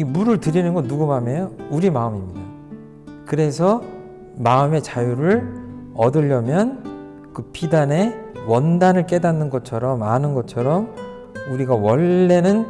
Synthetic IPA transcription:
imuɾɯɭtɯɾinɯnɡʌnuɡumamejouɾimaɯmimɲida | kɯɾe̞sʰʌ | maɯme̞t͡ɕajuɾɯɭʌdɯʎːʌmjʌn | kɯpidane̞wʌndanɯɭk͈e̞danːɯnɡʌt͡ɕʰʌɾʌmanɯnɡʌt͡ɕʰʌɾʌm | uɾiɡawʌɭːe̞nɯn

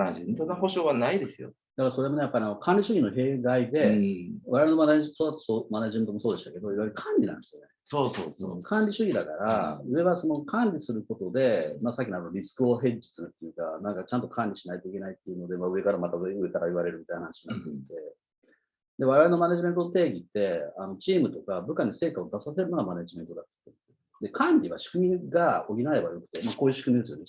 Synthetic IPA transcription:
aʑit̪onːaɦo̞ɕo̞ːβanaid̪e̞sɨjo̰ | d̪akaɾaso̞ɾe̞mo̞ne̞japːaɾianokʰãnʲɾʲiɕɨɡʲino̞ɦe̞ːɡaid̪e̞βa̰ɾeaɾenoaaɲt̪osoat̪ːo̥somaneʑime̞nt̪omo̞soːd̪e̞ɕit̪ake̞d̪o̞iβajɾɯkʰãnʲɾʲinã̰nd̪esijone̞soːso̰ːokʰãnɾʲiɕɨɡʲid̪akaɾaɯ̟e̞βaso̞no̞kʰãnʲɾʲisɨɾɯ̟ko̞t̪o̞d̪e̞masakʲːinaɾonoɾʲisɨ̥kɯ̟o̞ɦẽ̞ɲd͡ʑi̥sɨɾɯ̟t̪ːejɯ̟ka̰nãŋkat͡ɕãnt̪o̞kʰãnʲɾʲiɕinait̪o̞ikʲe̞nait̪ːeiɯ̟no̞d̪emaɯ̟e̞kaɾamat̪aɯeɯe̞t̪aɾaiβaɾe̞ɾɯ̟mʲit̪ajnanaɕiɲinat̪ːeit̪e | d̪e̞βaɾeaɾeno̞maneʑimẽ̞nt̪onot̪e̞ːɡʲit̪ːe̞ano̞t͡ɕiːmɯ̟t̪o̞kabɯ̟kaɲ̟ise̞ːkaod̪asase̞ɾɯ̟noɡamane̞ʑime̞nt̪o̞d̪at̪ːo̥t̪ːend̪esɨjo | d̪e̞kʰãnɾʲiβa̰ɕɨ̥kɯ̟mʲiɡaoɡʲinae̞bajo̞kɯ̟̥t̪e̞mako̞ːjɯ̟ɕɨ̥kɯmʲid̪e̞sɨjone

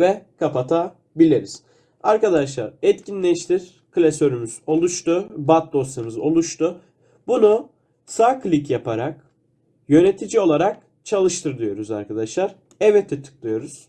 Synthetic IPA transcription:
vɛkʰapat̪ʰa | bilʲeɾiz̥ | aɾkad̪aʃlˠa̰ɾɛt̪cʰinlʲɛʃt̪ʰiɾ̥ | kɯlʲesø̞ɾymyz̥o̞lˠuʃt̪ubat̪̚d̪o̞st̪ʰɯmɯzo̞̰lˠuʃt̪ʰu | bunu | saklʲicjapʰaɾak̚ | jø̞net̪ʰid͡ʒio̞lˠaɾak̚ | t͡ʃʰalˠɯʃt̪ʰɯɾd̪ˠɯjo̞ɾuzaɾkad̪aʃlˠaɾ | ɛvɛt̪ʰːɛt̪ʰɯ̥k̚lˠɯjo̞ɾuz̥

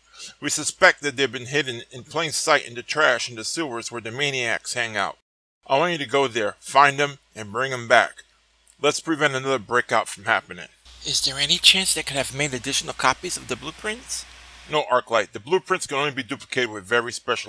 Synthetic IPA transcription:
wisɨspɛk̚t̪̚ðɨt̪̚ðeɪvbɨ̃nɦɪd̃ⁿn̩ɨ̃npʰl̥ẽɪ̃nsaɪɾʔɪ̰̃ntʉtʰɹ̥æʃɪ̃ntʉsɪlˠvə˞zwə˞ðɨmẽɪ̃niæ̰kshæ̃ŋaʊt̚ | ʔaɪwɑ̃nɨɾɨɡoʊðə˞fãɪ̃nd̪ɨ̃m | ɨ̃nbɹɪ̃ŋɨ̃mbæ̰k | lətspʰɹ̥ɨvɛ̃ntɨnʌðə˞bɹeɪkaʊtfɹʌ̃mhæpɨnɪ̰̃ŋɪzðə˞ɛnit͡ʃʰæ̃nsðɨt̚kʰɨɾɨvmeɪɾɨdɪʃn̩l̩ˠkʰɑpizʌvðɨblupʰɹ̥ɪ̃ntsnoʊʔɑɹklaɪt̪̚ðɨblupʰɹ̥ɪ̃ntskɨ̃nõʊ̃nlibidʉpləkʰeɪɾɨd̚wɨðvɛɹispɛʃl̩

